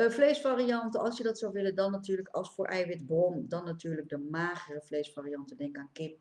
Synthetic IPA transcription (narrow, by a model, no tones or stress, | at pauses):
flejsfaːriɑntəɑlˠsjədɑtsɔwʋɪləndɑnːatyːɹləkɑ̰lˠsfʊːɹʔɛjʋɪtbrɔndɑnːatyːɹlək̚dəmaːχərəflejsfaːrijɑntədɛŋkaːnkɪp̚